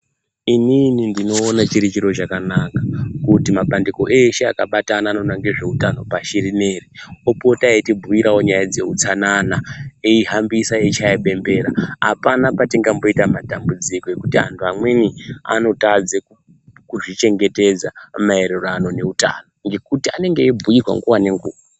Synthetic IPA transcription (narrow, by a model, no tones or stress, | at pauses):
ininindino̞ːnat͡ʃiɾit͡ʃiɾo̞t͡ʃakanakḁkutimaɓandiko̞ʔeʃe̞akaɓatanaːnonaŋɡeʐe̞utano̞paʃirineːriopo̞taetibʱuiɾawo̞ɲajad͡ze̞̰ut͡sananaeiɦambisaet͡ʃaiɓe̞mbe̞ːɾa̰a̰panapatiŋɡambo̞itamatambud͡ziko̞e̞kutiɦa̰ntʰuamwe̞nia̰no̞tad͡zeku | kuʐit͡ʃe̞ŋɡe̞ted͡zamae̞ɾerano̞ne̞uta̰no̞ŋɡe̞kutiane̞ŋɡe̞ːbʱuirwa̰ŋɡuwane̞ŋɡuːwa